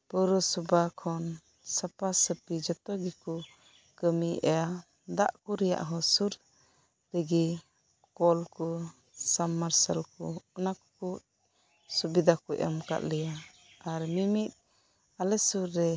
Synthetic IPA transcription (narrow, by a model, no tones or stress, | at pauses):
pɔɾɔsubakʰɔn | sapasəpid͡ʒɔt̪ɔɡikɔ | kəmiʔɛja | d̪aʔkuɾɛja̰ʔɦɔsuɾ | təɡi | kɔlkɔ | samːaɾsalkɔɔnakɔ̥kuʔ | subid̪akɔʔa̰mka̰ʔ̪lɛja | aɾmimit̪̚ | alɛsuɾːɛ